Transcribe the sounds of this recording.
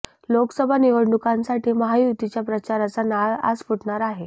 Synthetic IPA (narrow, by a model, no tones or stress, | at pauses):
loksəbʱaniʋəɽɳukãnsaʈiːməɦajut̪it͡ɕjapɾət͡ɕaɾat͡sanaɭa̰spuʈɳaɾaɦe